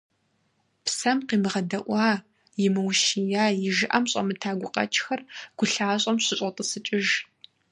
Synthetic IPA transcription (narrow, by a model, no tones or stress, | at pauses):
psɐmqiːmɨʁɐdɐʔʷɑː | jɪmɨwʃijaːjɪʒɪʔɐmɕʼɐ̰mɨtʰaːɡʷʊqʼɐ̰t͡ʃʰʼxɐrɡ̥ʷʊɬaːɕʼɐmɕɪɕʼɐtʼəsɨt͡ʃʼɪʒ